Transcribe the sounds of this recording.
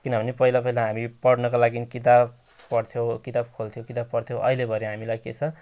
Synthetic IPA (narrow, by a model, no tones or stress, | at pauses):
kinʌbʌnepʌilapʌilaɦamipʌɽnʌkolaɡinkit̪̬ab | pʌɽt̪ʰjowkit̪ab̚kʰolt̪ʰjõkit̪ab̚pʌɽt̪ʰjow̃ʔʌ̰ɦilebʱʌɾeɦamilajket͡sʰʌ